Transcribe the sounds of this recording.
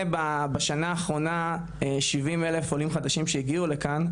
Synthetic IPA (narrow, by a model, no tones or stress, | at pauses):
babeʃanaːχʁo̞na | eʃivimelefolimχad̪aʃimʃeiɡiulekan